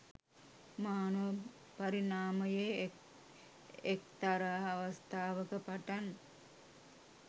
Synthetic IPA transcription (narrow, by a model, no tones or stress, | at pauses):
maːnuʋə | pɐɾinaːməje | ekt̪aɾaːʋəst̪aːʋəkəpaʈan